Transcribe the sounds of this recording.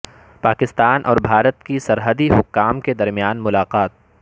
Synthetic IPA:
paːkɪst̪aːnʔɔ̰ːɾbʱaːɾət̪kisɐɾɦəd̪iɦʊkːaːmked̪ɐɾmijaːnmʊlaːqaːt̪̚

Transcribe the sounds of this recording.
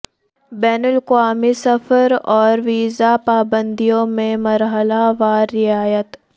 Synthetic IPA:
bɛːnəlkʊaːmisɐfʰəɾɔːɾʋiːzapaːbə̃nd̪ijõmẽmɐɾɦəlaʋaːɾːɪaːjət̪

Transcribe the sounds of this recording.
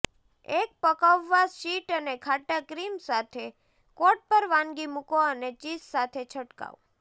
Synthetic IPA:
ek̚pəkaʋːaʃiʈənekʰaʈakɾimsat̪ʰe | koʈ̚pəɾʋãnɡimukoənet͡ʃissat̪ʰet͡ʃʰəʈka̰ʋ

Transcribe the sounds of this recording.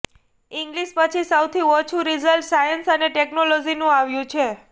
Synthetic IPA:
iŋɡliʃpət͡ʃʰisəwt̪ʰiot͡ʃʰuɾizəlʈsajənsəneʈeknolod͡ʒinũaʋjũt͡ʃʰe

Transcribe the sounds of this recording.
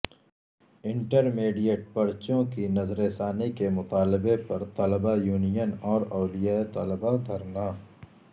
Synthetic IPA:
ɪ̃ɳʈəɾmeːɖijəʈ̚pɐɾt͡ʃõkinɐzɾeːsaːnikemʊt̪aːlɪbepɐɾt̪ɐləbajuːnijənɔːɾɔːlijaːet̪ɐləbad̪ʱɐɾnaː

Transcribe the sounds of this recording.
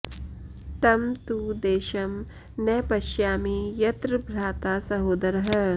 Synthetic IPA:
t̪ɐmt̪uːd̪eːʃɐm | nɐjpɐʃjaːmijɐt̪ɾɨbʱɾaːt̪aːsɐɦoːd̪ɐɾɐɦɐ

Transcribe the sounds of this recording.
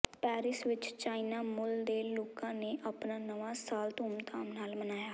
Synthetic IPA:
pɛːɾɪsʋɪt͡ʃt͡ʃaːinaːmʊld̪eːloːkãːneːʔəpnaːnəʋãːsaːlt̪uːmt̪aːmnaːlmənaːjaː

